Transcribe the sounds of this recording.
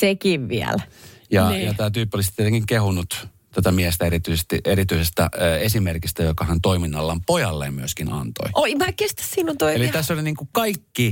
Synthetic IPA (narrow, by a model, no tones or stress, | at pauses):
sekiʋʋiæ̰ljɑjɑt̪æːt̪yːpːolisit̪iet̪eŋkiŋkehunːut̪ | t̪ot̪æmiest̪æeɾit̪ysest̪iʔeɾit̪yisest̪æ̰esimerkist̪æjokɑhænt̪oiminːɑlːɑmpojɑlːḛmmyøskinɑ̰nt̪o̰iʔoimækest̪æ̥ssinːunt̪oielit̪æsːoliniːŋkukɑikːi